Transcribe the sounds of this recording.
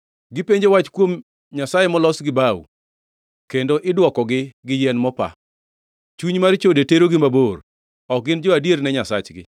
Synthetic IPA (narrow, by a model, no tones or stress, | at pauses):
ɡɪpeɲd͡ʒewat͡ʃkwom | ɲasajemɔlɔsɡɪbawṵ | kendoʔɪdwɔkɔɡɪɡɪjɛnmɔpa̰ | t͡ʃuɲmaɾt͡ʃodeteɾoɡɪmabor | ɔk̚ɡɪnd͡ʒɔadjernɛɲasa̰t͡ʃɡɪ̰